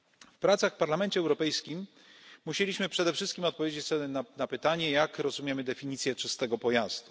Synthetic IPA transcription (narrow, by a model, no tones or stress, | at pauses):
fpɾat̪saxfpaɾlamɛnt͡ɕɛːwɾɔpɛjskʲimː | uɕelʲiɕmɘpʂɛd̪ɛfʂɘst̪̚kʲimɔt̪̚pɔvʲjed͡ʑet͡ɕsɛnanapɘt̪aɲɛjakɾɔzumʲjemɘd̪ɛfʲiɲit̪sʲjɛt͡ʂɘst̪ɛɡɔpɔjaz̥d̪u